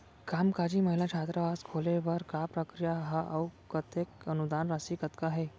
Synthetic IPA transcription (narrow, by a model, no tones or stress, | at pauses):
kamkad͡ʑiːməɦilat͡ɕʰat̪ɾəaskʰoleʋəɾkapɾəkɾijaɦaʔəwkət̪jek̚ənud̪anɾasiːkət̪kaɦe